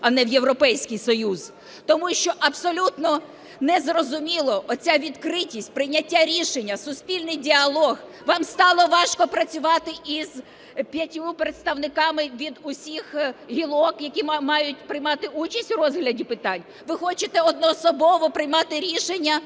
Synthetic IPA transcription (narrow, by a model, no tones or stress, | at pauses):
ɐnɛwjewɾɔpɛjsʲkɪjsɔjuz̥ | t̪ɔmuʃt͡ʃɔʔɐbsɔlʲut̪nɔ | nɛzrɔzʊmʲilˠɔʔɔt͡sʲaʋʲid̪kɾɪtʲisʲtʲpɾɪjnʲɐtʲːaɾʲiʃenʲːɐsʊspʲilʲnɪjdʲiɐlˠɔɣ | ʋɑmst̪ɑlˠɔʋɑʃkɔpɾɐt͡sʲʊʋɑt̪ɪʔiz | pʲjɐtʲupɾet̪st̪ɐwnɪkɑmɪʋʲid̪ʊsʲixɦʲilˠɔkjɐkʲimɑjʊtʲpɾɪjmɑt̪ɪut͡ʃɐsʲtʲrɔzɦlʲɐdʲipɪt̪ɑnʲ | ʋɪxɔt͡ʃɪt̪ɛɔd̪̚nɔsɔbɔʋɔpɾɪjmɑt̪ɪɾʲiʃenʲːɐ